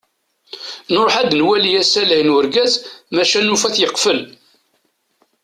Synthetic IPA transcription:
noɾˤoħæd̪nwælijæsæləjnwəɾɡæzmæʃænufæθjəqfəl

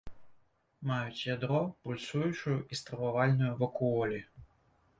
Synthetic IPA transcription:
majut͡sʲjad̪ɾɔpulʲsujut͡ʂʊjʊʔist̪ɾɐvavalʲnʊjʊvɐkuɔlʲi

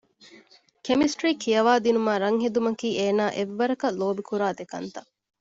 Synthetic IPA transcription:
kemisʈɾiːkʰijɐʋaːd̪inumaːɾɐŋɦed̪umɐkiːeːnaːʔeʋːɐɾɐkɐloːbikuɾaːd̪ekɐnt̪ɐʔ

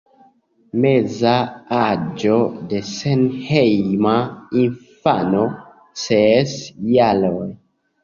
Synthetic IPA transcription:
mezaad͡ʒo̞de̞senhejmainfano̞ | sesjaloj

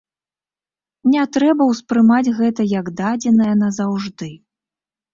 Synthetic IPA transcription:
nʲɛt̪ɾɛbɐwspɾɨmad͡zʲɣɛt̪ɐjɐɡd̪ad͡zʲɛnɐjɐnɐzawʐd̪ɨ

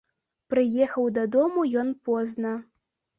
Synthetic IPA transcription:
pɾɨjɛxɐwd̪ɐd̪ɔmujɔnpɔznɐ

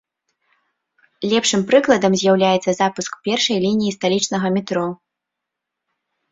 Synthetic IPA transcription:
lʲɛpʂɨmpɾɨklˠɐd̪ɐmzʲjawlʲajɛt̪sɐzapuskpʲɛrʂɐjlʲinʲijist̪alʲit͡ʂnɐɣɐmʲɛt̪ɾɔ

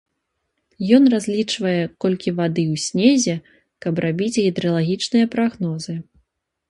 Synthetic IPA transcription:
jɔnrazʲlʲit͡ʂvɐjɛkɔlʲkʲivad̪ɨwsʲnʲezʲɛ | kɐbrabʲit͡sʲɣʲid̪ɾɐlˠaɣʲit͡ʂnɨjɐpɾaɣnɔzɨ

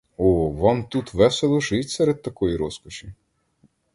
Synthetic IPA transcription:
ɔʋɑmt̪ut̪ʋɛselˠɔʒɪtʲsɛɾed̪̚t̪ɐkɔjiɾɔskɔʃʲi

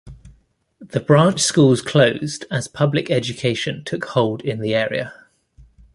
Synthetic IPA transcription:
ðəbɹɑ̃ˑnt͡ʃskuːlˠz̥kʰl̥əʊzdəz̥pʰʌblɪkɛd͡ʒəkʰeɪʃə̃ntʰʊkhɒʊlˠdɪ̃nðiɛːɹḭə̰

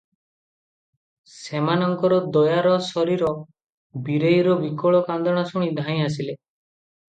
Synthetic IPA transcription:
semanɔŋkɔɾɔd̪ɔjaɾɔsɔɾiɾɔ | biɾejɾɔbikɔɭɔkand̪ɔɽ̃asuɽ̃id̪ʱaj̃as̬ile

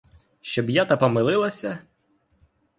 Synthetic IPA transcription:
ʃt͡ʃɔbjat̪ɐpɔmɪlˠɪlˠɐsʲɐ

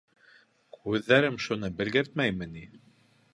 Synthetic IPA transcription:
kʉðːæɾɘmʃunɤbɘ̆lɡɘɾt̪̚mæjmɘ̆ni

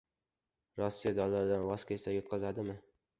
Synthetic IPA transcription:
ɾɒsːijad̪ɒlːaɾd̪anvɒskʲʰesajɒt̪̚qʰɑzad̪ɪmɪ

